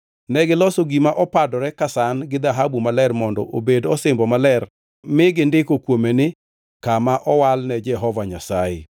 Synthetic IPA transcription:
nɛɡɪlɔsoɡimaʔɔpadɔɾɛkasanɡɪd̪aɦabumalɛrmɔndɔ̰ʔobedɔsɪmbɔmalɛr | mɪɡɪndɪkokwomenɪ | kamaʔɔwalnɛd͡ʒɛɦɔvaɲasaɪ̰

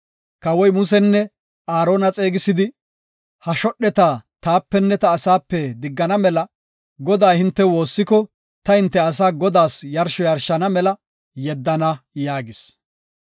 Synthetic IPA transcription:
kɐwɔjmʊs̬ɛnːɛ | aːɾo̞ːnɐt͡sʼe̞ːɡɪsɪd̪ɪ | hɐʃɔɗɛt̪at̪aːpːɛnːɛt̪ɐːsaːpːɛd̪ɪɡːɐnɐmɛlɐ | ɡɔd̪aːhɪnt̪ːɛwo̞ːsːɪkɔ | t̪ɐhɪnt̪ːɛɐs̬aːɡɔd̪aːsjɐɾʃɔjɐɾʃɐnɐmɛlɐ | jɛd̪ːɐnɐjaːɡɪs

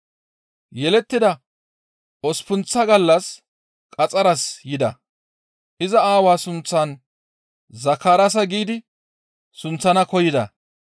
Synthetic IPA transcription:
jɛlɛt̪ːɪd̪ɐ | ɔspʊnt͡sːɐɡɐlːɐs | kʼɐt͡sʼɐɾɐsjɪd̪ɐ̰ | ʔɪzɐaːwaːsʊnt͡sːan | zɐkːaːɾɐs̬ɐɡiːd̪ɪ | sʊnt͡sːɐnɐkɔjɪd̪ɐ̰

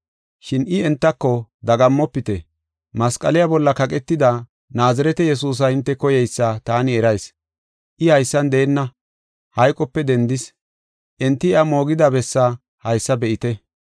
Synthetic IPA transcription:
ʃɪnʔɪɛnt̪ːɐkːɔd̪ɐɡɐmːɔpːɪt̪ɛ | mɐskʼɐ̰lɪjabɔlːɐkɐkʼɛt̪ːɪd̪a | naːzɐɾɛt̪ɛjɛs̬uːs̬ɐhɪnt̪ːɛkɔjɛjsːɐt̪aːnɪɛɾɐjs | ʔɪhɐjsːɐnd̪eːnːɐ | hɐjkʼɔpːɛd̪ɛnd̪ɪs | ʔɛnt̪ːɪɐmo̞ːɡɪd̪abɛsːɐ | hɐjsːɐbɛʔɪt̪ɛ

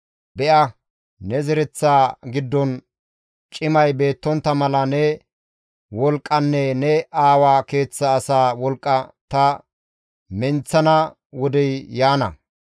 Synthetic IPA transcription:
bɛʔɐ | nɛzɛɾɛt͡sːaːɡɪd̪ːɔn | t͡ʃʼɪmɐjbe̞ːt̪ːɔnt̪ːɐmɐlɐnɛ | wɔlkʼːɐnːɛnɛaːwaːke̞ːt͡sːɐːsaːwɔlkʼːɐt̪ɐ | mɛnt͡sːɐnɐ | wɔd̪ɛjjaːnɐ̰

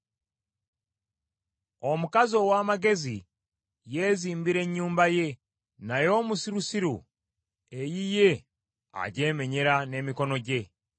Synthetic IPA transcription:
o̞mukazo̞waːmaɡe̞zi | jeːziːmbiɾe̞ɲːuːmbaje̞ | najo̞ːmusiɾusiɾu | ejije̞ | a̰ɟe̞ːme̞ɲeɾane̞miko̞no̞ɟe̞

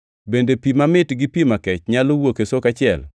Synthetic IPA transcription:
bendepimamɪtɡɪpimakɛt͡ʃɲalowokesokat͡ʃɪɛ̰l

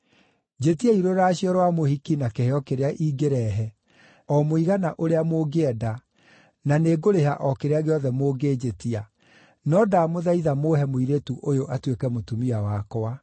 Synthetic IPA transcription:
d͡ʑetiaiɾoɾaɕiɔɾwamohikinakeheɔkeɾeaʔiːɡeɾɛɦɛ | ɔmoiɣanaʔoɾeamoɡeɛda | naneɡoɾeɦaʔɔkeɾeaɣeɔðɛmoɡeːd͡ʑetia | nɔdamoðaiðamoːhɛmoiɾetuʔojoʔatwekɛmotumiawakɔa

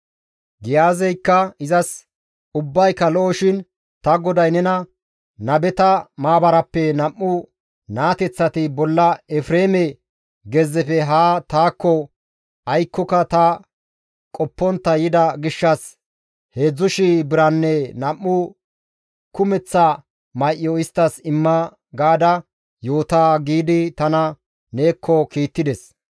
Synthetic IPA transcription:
ɡɪjaːzɛjkːɐɪzɐs | ʊbːɐjkːɐlɔʔɔʃɪn | t̪ɐɡɔd̪ɐjnɛnɐ | nɐbɛt̪ɐmaːbɐɾɐpːɛnɐmːʊ | naːt̪ɛt͡sːɐt̪ɪbɔlːɐɛfɾeːmɛ | ɡɛzːɛfɛɦaːt̪aːkːɔ | ɐjkːɔkɐt̪ɐ | kʼɔpːɔnt̪ːɐjɪd̪ɐɡɪʃːɐs | heːd͡zːʊʃɪbɪɾɐnːɛnɐʔːʊ | kʊmɛt͡sːa | mɐjʔɪːɔɪst̪ːɐsɪmːɐ | ɡaːd̪ɐ | jo̞ːt̪aːɡiːd̪ɪt̪ɐnɐ | ne̞ːkʰːɔkiːt̪ːɪd̪ɛs

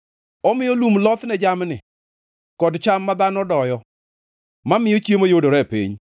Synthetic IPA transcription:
ɔmɪjɔlumlɔt̪nɛd͡ʒamnɪ | kɔdt͡ʃamːad̪anɔdɔjɔ | mamɪjot͡ʃjemojodoɾɛpḭɲ

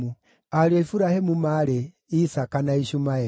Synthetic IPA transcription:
u | aɾiɔifuɾahemumaɾe | isakanaiʃumaɛ

